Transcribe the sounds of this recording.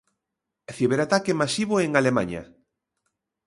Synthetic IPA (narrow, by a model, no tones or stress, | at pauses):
θiβeɾat̪akemasiβ̞oeŋalemã̰ɲa̰